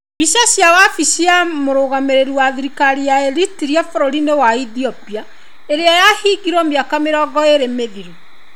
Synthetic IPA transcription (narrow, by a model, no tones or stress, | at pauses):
bisasiawafisiamoɾoɣameɾeɾiwaðiɾikaɾiaeɾitiɾiafoɾoɾinewaiθiɔpia | eɾeajahiɡiɾwɔmiakameɾɔːɡɔeɾemeðiɾo